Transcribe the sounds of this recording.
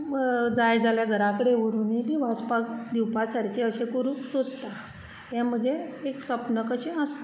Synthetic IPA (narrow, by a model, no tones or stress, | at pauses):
d͡zajd͡zaljaɡʱəɾãkəɽeʋəɾuːnibʱiʋaspakd̪iwpasaɾkʰeəɕekuɾuːksod̪t̪a | jam̤əd͡zeːksəpnəkəɕẽəst̪